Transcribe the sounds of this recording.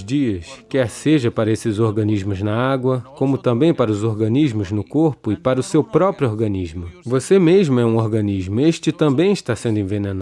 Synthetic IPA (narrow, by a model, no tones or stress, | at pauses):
d͡ʒiɐskɛɾseʒɐpaɾɐesɪzoɾɡɐ̃niʒmʊznɐaɡwɐkõmʊt̪ɐ̃mbẽj̃paɾɐʊzoɾɡɐ̃niʒmʊznʊkoɾpʊɪpaɾɐʊsewpɾɔpɾjʊoɾɡɐ̃niʒmʊvosemeʒmʊɛũoɾɡɐ̃niʒmʊeʃt͡ʃɪt̪ɐ̃mbẽj̃ɪʃt̪asẽnd̪ʊẽvenẽna